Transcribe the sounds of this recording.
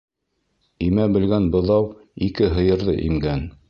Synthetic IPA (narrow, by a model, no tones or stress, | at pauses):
imæbɘ̆lɡænbɤ̆ðɑwikɘɦɤ̆jɤ̆ɾðɤ̰ʔimɡæn